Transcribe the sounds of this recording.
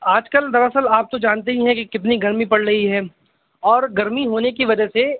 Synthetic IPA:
aːd͡ʒkəld̪ɐɾɐsəlaːp̚t̪od͡ʒaːnt̪̬eɦĩɦɛ̃kikɪt̪niɡɐɾmipɐɽɾɐɦiɦɛː | ɔːɾɡɐɾmiɦoːnekiʋɐd͡ʒəse

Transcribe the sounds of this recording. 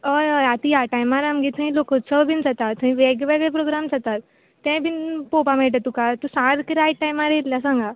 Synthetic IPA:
əjəjat̪ijaʈajmaɾamɡit̪ʰũĩlokot͡səbʱind͡zat̪at̪t̪ːũɦĩʋeɡʋeɡɭepɾoɡɾamt͡sat̪at̪̚ː | ẽbʱinpopameʈ̬ət̪ukat̪usãɾkiɾajʈʈːajmaɾet̪lasãŋɡa

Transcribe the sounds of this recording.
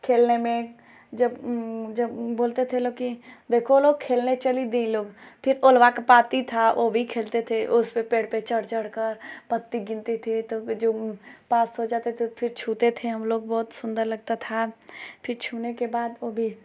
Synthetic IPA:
kʰeːlnemẽ | d͡ʒɐbd͡ʒɐbboːlt̪et̪ʰeloːkid̪eːkʰoloːɡ̚kʰeːlnet͡ʃɐlid̪ẽloːɡpʰɪɾolʋakapaːt̪it̪ʰaobʱikʰeːlt̪et̪ʰeʔʊspepeːɽpet͡ʃəɽt͡ʃəɽkəɾpət̪ːiɡɪ̃nt̪it̪ʰit̪od͡ʒoːpaːsɦod͡ʒaːt̪et̪epʰɪɾt͡ʃʰuːt̪et̪ʰeɦɐmloːɡ̚bɔːt̪sʊ̃nd̪əɾlɐɡ̚t̪at̪ʰapʰɪɾt͡ʃʰuːnekebaːd̪oːbʱi

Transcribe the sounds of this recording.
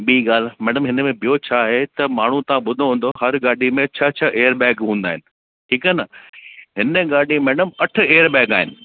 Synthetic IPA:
ɓiiɠaːl̤mɛːɽəmɦɪnəmẽbijot͡ɕʰaːɦet̪ɐmaːɳ̤ũt̪ɐʋãɓʊd̪ʱoɦũːn̆d̪ohɐɾɡaːɖʱimẽt͡ɕʰɐt͡ɕʰɐʔeːəɾbɛ̃ːkɦũːn̆d̪aːɦɪnɪ̆ | ʈʰiːkaːnəɦɪnəɡaːɖimɛːɖəmɐʈʰʊ̆eːəɾbɛːkaːɦɪnɪ̆

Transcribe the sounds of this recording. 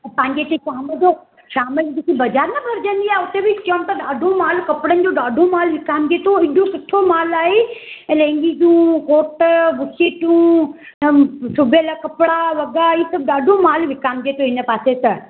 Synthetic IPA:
pɐ̃ɦɪ̃ɲd͡ʑet̪eʃaːməd͡ʑo | ʃaːməlibikibɐd͡ʑaːɾnɐbʱɐɾd͡ʑə̃nd̪iaːɦeʊt̪ebit͡ɕomt̪ɐɗaːɖʱõmaːlkɐpɽənɪ̆d͡ʑoːɗaːɖʱõmaːlʋɪkaːmɡeːt̪oɪɗʱõsʊʈʰːomaːlaːɦelẽːŋɡid͡ʑũːkoːʈʋʊsiʈũː | sʊbʱjəlakɐpɽaʋɐɡaisɐbɗaːɖʱõmaːlʋɪkaːmɡeːt̪oɦɪnə̆paːset̪ɐ

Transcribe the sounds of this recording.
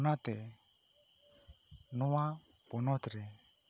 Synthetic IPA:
nat̪ɛ | nɔwapɔnɔt̪ɾɛ

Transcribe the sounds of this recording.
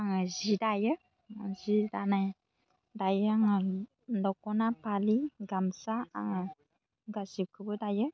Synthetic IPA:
aŋəzidajə | azidanã | dajəaŋə | ndɔkɔnãpaliŋɡamsaa̰ŋə | ŋɡazikəbədajə

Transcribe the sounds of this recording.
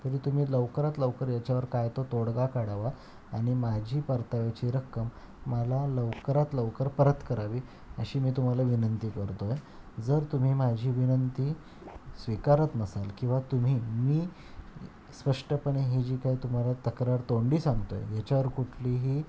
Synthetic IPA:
t̪əɾiːt̪um̤iːləʋkəɾat̪ləʋkəɾjat͡ɕaʋəɾkajt̪ot̪oɽɡakaɽaʋa | aɽ̃imad͡ʑʱiːpəɾt̪aʋat͡ɕiɾəkːəmː | əlaləʋkəɾat̪ləʋkəɾpəɾət̪kəɾaʋiː | əɕiːmiːt̪um̤alaʋinənt̪iːkəɾt̪oj | d͡zəɾt̪um̤iːmad͡ʑʱiːʋinənt̪iː | sʋikaɾət̪nəsalkĩw̃ʋat̪um̤iːmiː | spəʂʈəpəɳeɦid͡ʑiːkaiːt̪um̤alat̪əkɾaɾt̪oɳɖiːsãŋɡt̪o̰jḛjat͡ɕaʋəɾkuʈʰliːɦiː

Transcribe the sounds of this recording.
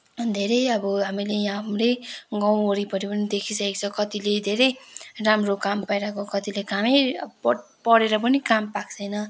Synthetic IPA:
d̪ʱeɾʌjʌbʌɦamilejãmɾeɡʌw̃oɾipʌɾipʌnid̪ekʰisʰʌekt͡sʰʌkʌt̪iled̪ʱeɾʌjramrokampajɾakokʌt̪ilekamep | pʌɽeɾʌp̬ʌnikampak̚sʰʌjnʌ

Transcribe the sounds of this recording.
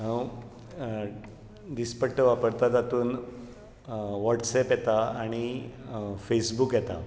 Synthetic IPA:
ɦə̃w | ɖ̪ispəɽʈːəʋapəɾt̪ad͡zat̪uːn | ʋɔʈsɛpjɛt̪aaɽ̃i | fesbuːkjɛt̪a̰

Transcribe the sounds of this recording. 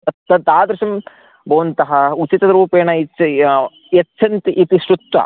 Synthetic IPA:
ɐt̪ːɐt̪aːd̪ɾɐʃɐm | bʱɐːɐnt̪ɐɦɐut͡ʃit̪ɐɐɾuːpeːɳɐi | jɐt͡ʃːt͡ʃʰɐnt̪iʔit̪isʈut̪ʋɐ̰

